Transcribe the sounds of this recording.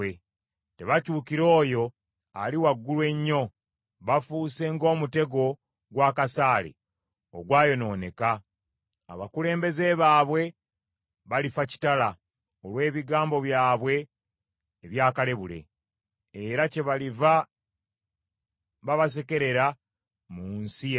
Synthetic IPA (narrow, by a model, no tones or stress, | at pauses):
e | te̞βacuːkiɾo̞ːjo̞ | aliwaɡːulwe̞ɲːo̞ | βafuse̞ŋɡo̞ːmute̞ɡo̞ | ɡwaːkasaːlḛ | o̰ɡwaːjo̞no̞ːne̞ka̰ː | βakule̞ːmbe̞zeβaːβwe̞ | βalifaci̥tala | olwe̞ːβiɡaːmbo̞βjaːβwe̞ː | βjaːkale̞βule̞̰ː | ɾace̞βaliva | βaβas̬e̞ke̞ɾe̞ɾa | muːnsi